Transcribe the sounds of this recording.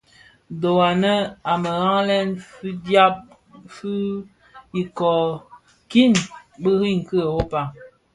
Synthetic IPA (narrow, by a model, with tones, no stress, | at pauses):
do˨wa˨nə˦a˨mə˨ɣa˦ŋlɛ˦nfi˦dja˦p̚ | fi˦ | i˨kɔ˨ | ki˦˨nbə˦ɣi˦ŋ˨kə˦ə˨wo˦pa˨ŋ